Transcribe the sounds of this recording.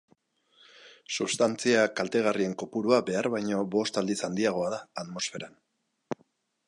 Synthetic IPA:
suβst̪ant͡siakalt̪e̞ɣ̞arie̞ŋko̞puɾuabe̞aɾβajɲo̞βo̞st̪ald̪isand̪iaɣ̞o̞aðaːðmo̞sfe̞ɾan

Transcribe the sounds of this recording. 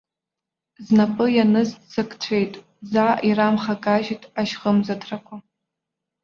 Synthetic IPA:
znapʼɨjanɨzsɨkʰʼt͡ɕʷʰejtʼ | zaʔiramχakʼaʒitʼaʃχəmzatʰrakʷʰa

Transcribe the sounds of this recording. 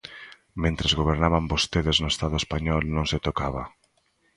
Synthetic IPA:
mẽnt̪ɾezɣoβ̞eɾnaβambost̪eðeznʊest̪aðʊespaɲɔlnõŋset̪okaβa

